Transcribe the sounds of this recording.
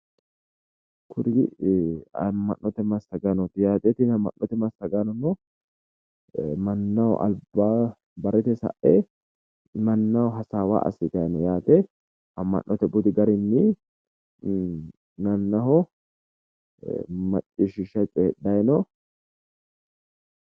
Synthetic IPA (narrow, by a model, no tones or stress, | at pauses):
kʰʊɾɪ | ɐ̰mːɐnːɔt̪ɛmɐst̪ɐɡɐnɔt̪ɪjaːt̪ɛt̪ɪnɐmːɐ̰nːɔt̪ɛmɐst̪ɐɡanɔnɔ | mɐnːɐw̰ʔɐ̰lbaː | bɐɾɛt̪ɛsɐ̰ʔe | mɐnːɐwɔɦɐsaːwa̰ːʔɐ̰sːɪt̪ɐjnɔjaːt̪ɛ | ɐmːɐ̰nʔːɔt̪ɛbʊd̪ɪɡɐɾɪnːɪ | nɐnːɐɦɔ | mɐt͡ʃʼːɪʃɪʃɐt͡ʃʼeːɗɐjnɔ